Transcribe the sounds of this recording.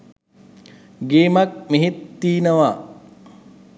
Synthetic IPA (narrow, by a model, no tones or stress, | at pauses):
ɡeːmak̚miɦit̪ːiːnəʋa